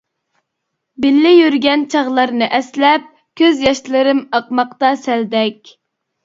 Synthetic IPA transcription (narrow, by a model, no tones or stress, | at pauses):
bɪlːɪjyɾɡʲɛnt͡ʃʰɑʁlˠɑɾnɨʔɛslɛp̚ | kʲʰøzjɑʃlˠɨɾɨmɑqmɑqt̪ɑsɛld̪ɛk̚ʲ